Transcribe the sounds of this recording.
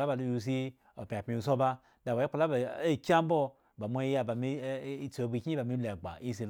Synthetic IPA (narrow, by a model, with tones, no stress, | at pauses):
la˦ba˨lu˧ju˧˨s̬i˧ | o˨pʲa˨pʲi˧u˧˨s̬o˦ba˧ | da˨wa˨˦i˦k͡pa˧la˦ba˨e˦˨kʲa˦m̩˦bo˦ | ba˨mʷo˧˦i˦ja˧ba˨mi˧˦t͡so˨˦bi˧˨kʲi˦ba˨mi˧˦la˨ɡ͡ba̰˨i˦s̬i˧